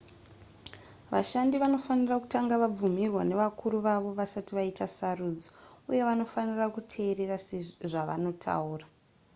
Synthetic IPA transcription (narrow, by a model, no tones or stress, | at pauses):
ʋaʃandiʋano̞faniraku̥taŋɡaʋab͡vumirwane̞ʋakuɾuʋaʋo̞ʋasatiʋaitasaruːd͡zouje̞ʋano̞fanirakutʰe̞ːre̞raseʐaʋa̰no̞tʰa̰uːra